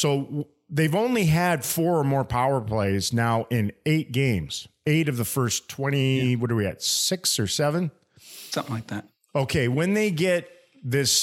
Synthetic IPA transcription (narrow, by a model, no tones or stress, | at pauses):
soʊ | ðeɪvõʊ̃nliɨd̥fɔɹə˞mɔɹpʰaʊə˞pʰl̥eɪznaʊʔɪ̃neɪt̚ɡ̥ẽɪ̃mz̥eɪɾʌvðəfɜ˞stʰw̥ɛ̃ɾ̃iwʌɾə˞wiɨ̰tsɪksə˞sɛvɨ̃n | sʌ̃mθɪ̃ŋlaɪk̚ðæt̚ | oʊkʰeɪwɨ̃nðeɪɡɛt̪̚ | ðɪs